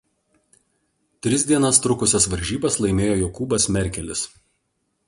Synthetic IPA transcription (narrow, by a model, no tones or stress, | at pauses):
t̪ʲɾʲɪzʲd̪ʲiɛnɐst̪ɾʊkʊsʲɛsʋɐɾʲʒʲiːbɐslˠɐɪmʲeːjoːjoːkuːbɐsmʲɛɾʲkʲɛlʲɪs